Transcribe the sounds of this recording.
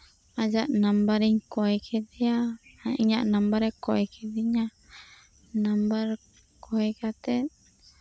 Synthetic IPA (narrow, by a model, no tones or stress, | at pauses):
ad͡ʒaʔnambaɾiɲkɔɛkʰɛd̪ɛaaiɲaʔnambaɾɛkɔɛkʰɛd̪iɲa | nambaɾ | kʰɔɛkat̪ɛt̪̚